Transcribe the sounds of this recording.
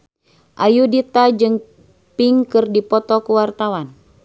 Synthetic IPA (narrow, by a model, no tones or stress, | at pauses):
ʔajudit̪ad͡ʒɨŋ | piŋkɨrdipɔt̪ɔkuwart̪awan